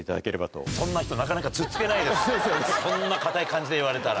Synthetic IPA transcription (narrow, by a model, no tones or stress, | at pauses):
it̪a̰d̪ake̞ɾe̞bat̪o̰sõ̞nːaçi̥t̪o̞nakanakat͡sɨt͡sɨ̥ke̞naid̪essõ̞nːakat̪aikãɲ̟d͡ʑid̪e̞iβaɾe̞t̪aɾa̰